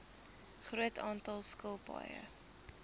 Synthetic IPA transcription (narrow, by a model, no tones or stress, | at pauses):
χruətʰɑːntɐlˠskəlˠpɑ̰jə̰